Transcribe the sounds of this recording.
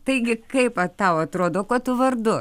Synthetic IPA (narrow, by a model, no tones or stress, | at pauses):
t̪ɐɪɡʲɪkɐɪpɐt̪ɐʊɐt̪ɾoːd̪oːkɐt̪ʊʋɐrd̪ʊ